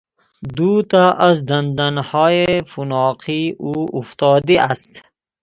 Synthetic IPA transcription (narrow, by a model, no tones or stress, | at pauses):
d̪ut̪aʔazd̪and̪anhɔːjefunɑːqʰiuuft̪ɔːd̪iʔast̪